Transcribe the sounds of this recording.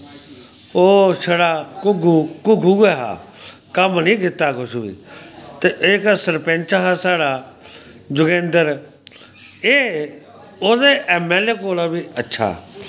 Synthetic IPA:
oːsəɽaːkʊɡukʊɡʱuɡeɦa̰ː | kəmnĩːɡɪt̪ːaːkʊʃuḭːt̪eʔeksəɾpẽːnt͡ʃaɦaːsaːɽaː | d͡ʒʊɡẽːnd̪əɾ | eː | oːd̪eːʔɛmeːleːkoːlabiːətːʃʰa̰ː

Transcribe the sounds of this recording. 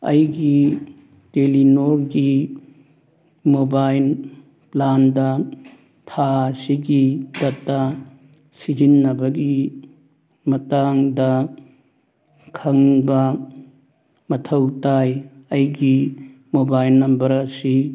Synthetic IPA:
ɐ̰jɡi | telinoɾɡi | mobajl | plandɐ | tʰasiɡidɐtːɐ | sid͡ʒinːɐbɐɡi | mɐtaŋdɐ | kʰɐŋbɐ | mɐtʰɐwtajɐjɡi | mobajlnɐmbɐɾɐsi

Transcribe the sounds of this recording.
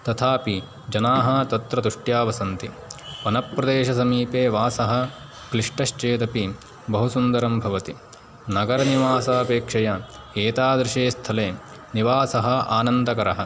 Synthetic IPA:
t̪ɐt̪ʰaːpi | d͡ʒɐnaːɦɐ̆t̪ɐt̪ɾɐd̪uʂʈjaːʋɐsɐnt̪i | ʋɐnɐpɾɐd̪eːʃɐsɐmiːpeːʋaːsɐɦɐ̆ | kliʂʈɐʃt͡ʃeːt̪ɐpi | bɐɦusund̪ɐɾɐmbʱɐʋɐt̪i | nɐɡɐɾɐniʋaːsɐɐpeːkʂɐjɐ | eːt̪aːd̪ɾiʂeːst̪ʰɐleː | niʋaːsɐɦɐ̆a̰ːnɐnd̪ɐkɐɾɐɦɐ̆

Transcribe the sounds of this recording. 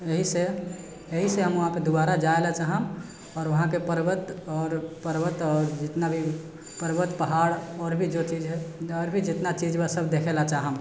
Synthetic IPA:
eɦise | eɦiseɦəmʋəɦãped̪ubaɾad͡ʒaelat͡ʃaɦəm | ɔːɾʋəɦãkepəɾbət̪ɔːɾpəɾbət̪ɔːɾd͡ʒɪt̪nabʱi | pəɾbət̪pəɦaɽɔːɾbʱid͡ʒot͡ʃid͡ʒɦɛɔːɾbʱid͡ʒɪt̪nat͡ʃid͡ʒbasəbʱd̪ekʰelat͡ʃaɦəm

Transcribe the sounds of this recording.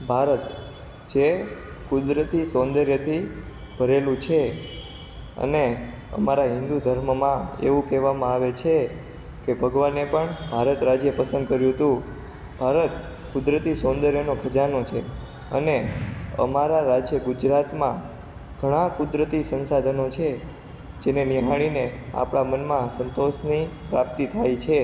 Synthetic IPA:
bʱaɾət̪ | d͡ʒe | kʊd̪ɾət̪isond̪əɾjət̪ʰi | b̥ʱəɾelũt͡ʃʰe | ə̰ne | ə̰maɾaɦɪ̃nd̪ud̪ʱəɾməmãḛʋũkɛʋamãaʋet͡ʃʰe | kebʱəɡʋanepəɳbʱaɾət̪ɾad͡ʒjepəsənd̪kəɾjũɦət̪ũ | b̥ʱaɾət̪ | kʊd̪ɾət̪isond̪əɾjənokʰəd͡ʒanot͡ʃʰe | ə̰neə̰maɾaɾad͡ʒjəɡud͡ʒɾat̪mã | ɡ̥ʱəɽ̃ãkʊd̪ɾət̪isə̃nsad̪ʱənot͡ʃʰe | d͡ʒeneniɦaɽ̃inea̰pɽ̃amənmãsənt̪oʃnipɾap̚t̪it̪ʰajt͡ʃʰe

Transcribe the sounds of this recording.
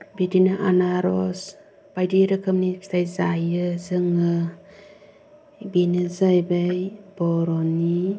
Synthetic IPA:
bidinɯʔanaɾɔs | b̥ajdiɾɯkʰɯmni̥tʰajzajɯzɯŋɯ | binɯzajbajbɔɾɔni

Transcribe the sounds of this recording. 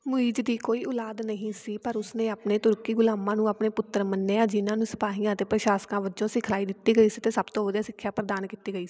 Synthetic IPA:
mʊiːd͡ʒd̪iːkoːiːʊlaːd̪nəɦĩːsiːpəɾʊsnẽːaːpneːt̪ʊɾkiːɡʊlaːmãːnũːaːpneːpʊt̪ːəɾmənːeːãːd͡ʒɪnãːnũːsə̥paːɦijãːət̪eːpɾəʃaːskãːʋəd͡ʒõːsɪkʰlaːiːd̪ɪt̪ːiːɡəiːsiːt̪eːsəbt̪õːʋəd̪aːsɪkʰːjaːpɾəd̪aːnkiːt̪iːɡəiːsi

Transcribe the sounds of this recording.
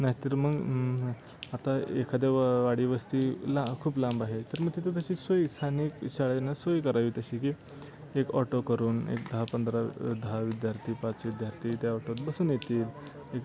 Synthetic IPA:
naɦit̪əɾməɡ | at̪aḛkʰad̪jaʋʋaɽiːʋəst̪iːlakʰuːplãmbaɦet̪əɾməɡ̚t̪it̪̬ot̪̬əɕiːsoist̪ʰaniːkɕaɭanːasojikəɾaʋit̪əɕiːkiː | ekɔ̰ʈokəɾuːnḛk̚d̪əɦapənd̪ɾad̪əɦaʋid̪jaɾt̪ʰiːpat͡sʋid̪jaɾt̪ʰiːt̪jaɔʈot̪bəsuːnjet̪iːl | ek

